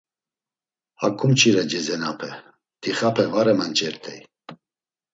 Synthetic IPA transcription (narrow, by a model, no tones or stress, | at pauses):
ha̰kʰʼumt͡ʃʰiɾɛd͡ʒɛzɛnapʰɛ | t̪ʰiχapʰɛvaɾɛmant͡ʃʼɛɾt̪ʰɛ̰j